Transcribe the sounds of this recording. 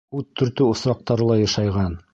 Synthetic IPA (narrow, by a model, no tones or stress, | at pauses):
ʉt̪ʰːɵ̆ɾt̪ɵŏsɾɑq̚t̪ɑɾɤlˠɑjɑʃɑjʁɑn